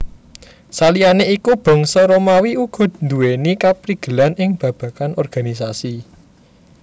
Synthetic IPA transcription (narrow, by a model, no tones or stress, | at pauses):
salijaneikub̥ɔ̤ŋsɔɾomawiuɡ̥ɔ̤d̪̚nd̪uwenikapɾiɡ̥ə̤lanɪŋb̥ä̤b̥a̤kanʔɔrɡ̥a̤nis̬asi